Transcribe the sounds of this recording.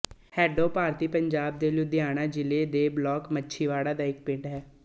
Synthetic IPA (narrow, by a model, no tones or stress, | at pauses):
hɛːɖoːpaːɾt̪iːpəɲd͡ʒaːb̚d̪eːljuːd̪ɪjaːñaːd͡ʒɪleːd̪eːblɔːkmətːʃʰiːʋaːɽaːd̪aːɪk̚pɪ̃ɖɦɛː